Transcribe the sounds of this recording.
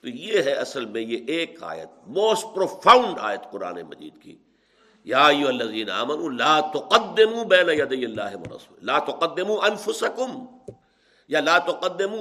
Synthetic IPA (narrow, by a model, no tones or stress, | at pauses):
t̪ojeɦɛɐsəlmẽjeʔeːka̰ːjə̰t̪̚moːst̚pɾoːfʰaːʊ̃ɳɖa̰ːjət̪qʊɾa̰ːnḛmɐ̰d͡ʒḭːd̪kḭ | jaːɐjːʊɦɐlːɐziːnaa̰ːmɐnuːlaːt̪ʊqɐd̪ːɪmuːbɛːnajɐd̪ijːɐlːaːɦɪʋɐ̰ɾˤɐ̰sṵːllaːt̪ʊqɐd̪ːɪmuːʔɐnfʊsɐkʊm | jalaːt̪ʊqɐd̪ːɪmuː